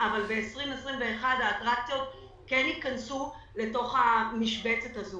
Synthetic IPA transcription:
avalbe̞esʁimesʁimve̞ːχad̪aːtʁak̚tio̞t | kenit̪̚kansu | le̞to̞χhamiʃbe̞t͡setazo

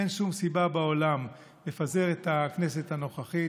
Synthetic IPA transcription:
enʃumsibabao̞lam | le̞faze̞ʁetakne̞se̞thano̞χaχi

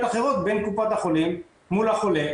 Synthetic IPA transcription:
t̪aχeʁot̪benkupat̪aχolimː | ulaχole

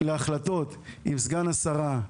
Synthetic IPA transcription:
leaχlat̪o̞t̪imsɡanasaʁa

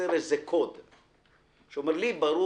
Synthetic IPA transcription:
eɾezekʰod̪ | ʃeomeɾlibaɾu

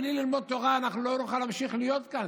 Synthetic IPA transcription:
lililmod̪̚t̪oʁaːnaχnuloɾuχalamʃiχlijot̪kan

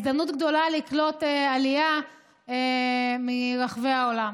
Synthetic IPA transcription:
zd̪amnut̪ɡd̪o̞laliklo̞tealia | emiʁaχveaolam

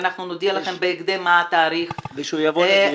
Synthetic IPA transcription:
naχnunod̪ialaχe̞mbeːɡd̪emaat̪aːɾiχviʃujavo

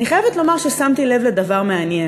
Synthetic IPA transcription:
niχajevet̪lo̞maʁʃesamt̪ile̞vled̪avaʁmeanjen

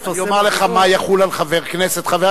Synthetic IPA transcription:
jomaʁleχamajaχulalχaveʁkneset̪χave

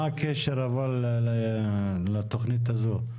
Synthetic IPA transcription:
akeʃeɾaval | lat̪oχnit̪̬azo

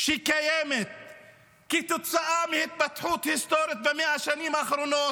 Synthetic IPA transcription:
ʃikajemet̪ | kit̪ʊt̪saʔamihɪt̪̚bat̪ħuːt̪hɪst̪oːɾjat̪̚bemeʔaʃaniːmʔaxɾunoː

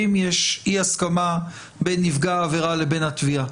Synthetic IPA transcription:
imjeʃiaskama | be̞nːivɡaːveʁale̞be̞nat̪via

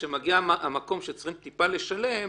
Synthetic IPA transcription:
ʃemaɡiaamako̞mʃet͡sʁimt̪ipale̞ʃale̞m

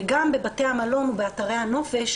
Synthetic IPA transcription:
ɡambe̞batehamalo̞nube̞ataʁejhano̞fe̞ʃ

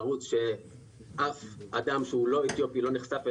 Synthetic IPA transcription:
ʁut͡sʃe | ʔafad̪amʃeulo̞et̪jo̞pilo̞niχsafe

